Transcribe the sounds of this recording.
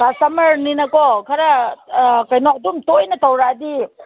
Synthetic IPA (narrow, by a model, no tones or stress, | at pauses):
kasɐmɐɾninɐkɔkʰɐɾɐ | kɐjnɔɐdumtojnɐtawɾadi